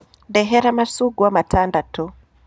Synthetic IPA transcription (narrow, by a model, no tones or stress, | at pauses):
ndɛɦɛɾamasuɡuwamatandatɔ